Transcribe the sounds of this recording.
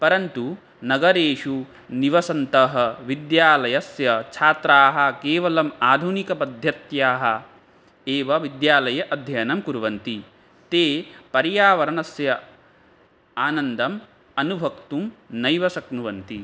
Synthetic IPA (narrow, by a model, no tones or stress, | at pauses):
pɐɾɐnt̪u | nɐɡɐɾeːʂu | niʋɐsɐnt̪ɐɦɐ̆ʋid̪jaːlɐjɐsjɐt͡ʃʰaːt̪ɾaːɦɐ̆keːʋɐlɐmaːd̪ʱunikɐpɐd̪ʱjɐt̪jaːɦɐ̆ | eːʋɐʋid̪jaːlɐjɐʔɐd̪ʱjɐjnɐmkuɾʋɐnt̪i | t̪eːpɐɾjaːʋɐɾɐnɐsjɐ | aːnɐnd̪ɐm | ɐnubʱɐkt̪umnɐjʋɐsɐknuʋɐnt̪i